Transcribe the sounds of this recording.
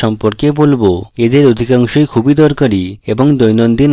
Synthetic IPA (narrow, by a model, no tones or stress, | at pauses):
ɔmpoɾkebolboed̪eɾod̪ʱikaŋʃojkʰubid̪ɔɾkoɾieboŋd̪ojnond̪in